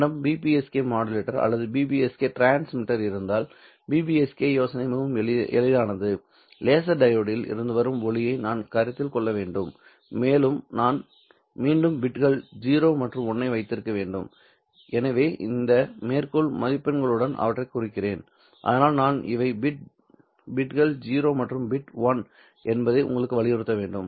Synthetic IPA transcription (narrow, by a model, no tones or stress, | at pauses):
ɽɐmbiːpiɛskeːmaːɽɪleːʈːɐɾɐ̰lːɐðɯbiːbiɛskeːʈɾaːnsmɪʈːɐɾɪɾɯnd̪aːl | biːbiɛskeːjoːsɐnɐɪmɐʋɯmɛ̰ɭɪðaːnɐðɯ | leːs̬ɐɖɐjoːɽɪjɪlɪ̰ɾɯnd̪ɯʋɐɾɯmɔɭɪjɐɪnaːnkɐɾɐt̪ːɪlkɔɭːɐʋeːɳɖɯmː | eːlɯmnaːn | miːɳɖɯmbɪʈɣɐɭd͡ʒiːɾoːmɐʈrɯmɔnːɐɪʋɐɪt̪ːɪɾɯkːɐʋeːɳɖɯm | ɛnɐʋeːʔɪ̰nd̪ɐmeːrkɔɭmɐðɪpːɛnɡɐɭɯɽɐnʔɐ̰ʋɐʈrɐɪkːʊrɪkːɪreːn | ʔɐ̰ðɐnaːlnaːnɪ̰ʋɐɪbɪʈ̚ | bɪʈɣɐɭd͡ʒiːɾoːmɐʈrɯmbɪʈʋɐn | ʔɛnbɐðɐɪʔʊ̰ŋɡɐɭɯkːɯʋɐɭɪjɛɾɯt̪ːɐʋeːɳɖɯm